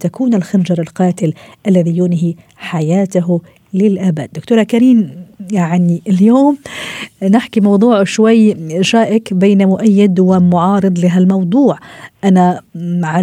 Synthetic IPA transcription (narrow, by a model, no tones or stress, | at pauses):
t̪akuːnɪlxand͡ʒɑɾˤɪlqɑːt̪ɪlʔalːaðijuːnɪɦi | ħajaːt̪aɦ | lɪlʔaːba̰ːd̪ːʊk̚t̪uːɾˤakaɾiːmjaʕniɪljoːm | nɪħkimɑwd̪ˤuːʕʃwajːʃaːʔɪkbeːnmʊʔajːɪd̪wɪmʊʕɑːɾɨd̪ˤlɪɦalmɑwd̪ˤuːʕʔanaʕa